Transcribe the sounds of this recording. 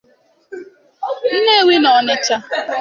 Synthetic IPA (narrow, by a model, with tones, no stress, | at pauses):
n̩˦ne˦˨wi˦nɔ˨nɪ˦t͡ʃa˦